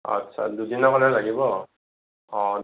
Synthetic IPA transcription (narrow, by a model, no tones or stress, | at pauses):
a̰tːʃʰa̰dudinakɔnɛlaɡibɔ | ɔ